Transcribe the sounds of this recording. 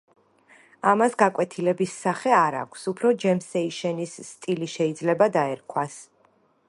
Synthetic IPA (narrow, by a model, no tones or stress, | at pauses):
amasɡakʼwɛt̪ʰilɛbisːaχɛaɾa̰kʷʰsupʰɾɔd͡ʒɛmsɛiʃɛnisːt̪ʼiliʃɛid̪zlɛbad̪aɛɾkʰwas